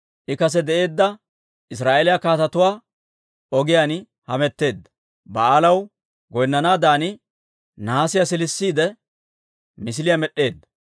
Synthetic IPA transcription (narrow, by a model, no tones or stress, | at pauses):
ʔɪkɐs̬ɛd̪ɛʔe̞ːd̪ːɐ | ʔɪs̬ɾaːʔelɪjakaːt̪ɐt̪ʊwaː | ɔɡɪjaːn | hɐmɛt̪ːe̞ːd̪ːɐ̥ | bɐaːlɐw | ɡɔjnːɐnaːd̪aːnɪ | naasɪjasɪlɪsːiːd̪ɛ | mɪs̬ɪlɪjamɛɗːe̞ːd̪ːɐ